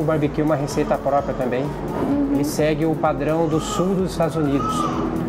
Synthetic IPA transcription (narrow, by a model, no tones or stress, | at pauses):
ʊbaɾbikẽũmɐɦesejt̪ɐpɾɔpɾiɐt̪ɐ̃mbẽj̃ | hɪsɛɡɪʊpad̪ɾɐ̃w̃d̪ʊsuwd̪ʊzɪst̪ad̪ʊzunid̪ʊs